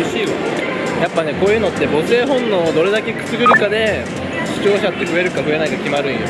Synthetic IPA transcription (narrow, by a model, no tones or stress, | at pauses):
iɕio | japːane̞ko̞ːjɯ̟ːno̞t̪ːe̞bo̞se̞ːɦõ̞nːo̞d̪o̞ɾe̞d̪ake̞kɯ̟̥t͡sɨɡɯ̟ɾɯ̟kad̪e̞ | ɕi̥t͡ɕo̞ːɕat̪ːe̞ɸɯ̟e̞ɾɯ̟kaɸɯ̟e̞naikakʲimaɾɯ̟ijo̰